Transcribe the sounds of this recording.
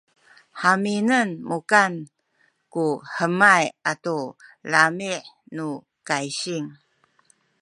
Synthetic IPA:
ħaminənmukan | kuħəmajatolamiʕ | nu | kajɕiŋ

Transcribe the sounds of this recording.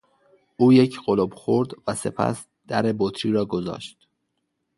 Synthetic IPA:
ʔuːje̞cʰɢolobxoɾd̪væse̞̰pʰæ̰s | d̪̥æɾe̞bot̪ʰɾiːɾɒːɡozɒ̰ːʃt̪

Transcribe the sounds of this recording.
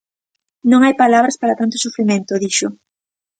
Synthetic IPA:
nõŋajpalaβɾaspaɾat̪ant̪ʊsufɾimẽnt̪ʊðiʃʊ

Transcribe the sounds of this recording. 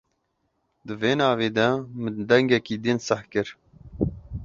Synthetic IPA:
d̪ɨveːnɑːveːd̪ɛmɨd̪ɛŋɡɛkiːd̪insɨhkɨɾ

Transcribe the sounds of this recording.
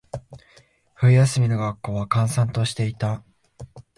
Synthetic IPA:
ɸɯ̟ɾʲijasɨmʲino̞ɡakːo̞ːβakãɰ̃sãnt̪o̞ɕi̥t̪e̞it̪a

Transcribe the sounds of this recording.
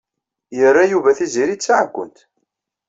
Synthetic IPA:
jərːajuvæθiziɾit͡sːaʕɡʷːə̰nt̪

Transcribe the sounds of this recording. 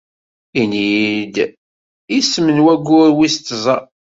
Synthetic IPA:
inid̪ | isːmənwæɡʷːʊɾwist̪ːzˤə

